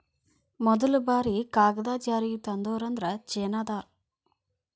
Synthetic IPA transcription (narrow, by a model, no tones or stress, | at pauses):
mɔd̪ɐlubaːɾikaːɡɐd̪aːt͡ʃaːɾiɡit̪ɐnd̪oːɾɐnd̪ɾɐt͡ʃeːnaːd̪aːɾ